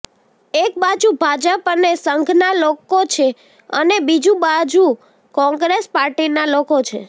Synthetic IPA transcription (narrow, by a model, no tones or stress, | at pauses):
ek̚bad͡ʒubʱad͡ʒəpənesəŋɡʱnalokot͡ʃʰe | ənebid͡ʒũbad͡ʒu | kɔ̃ŋɡɾespaɾʈinalokot͡ʃʰḛ